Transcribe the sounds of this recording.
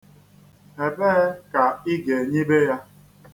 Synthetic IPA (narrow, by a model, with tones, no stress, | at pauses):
e˨be˦ka˨i˦ɡe˨ɲi˦be˦ja˦